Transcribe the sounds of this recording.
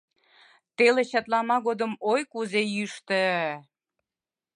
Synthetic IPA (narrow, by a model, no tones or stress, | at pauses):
t̪eleɕɑt̪lɑmɑɣod̪əmojkuzejyʃt̪ə